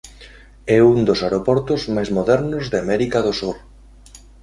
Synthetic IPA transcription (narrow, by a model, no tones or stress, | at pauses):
ɛund̪osaɾopɔɾt̪ʊzmajzmoðɛɾnʊzðeamɛɾikaðosuɾ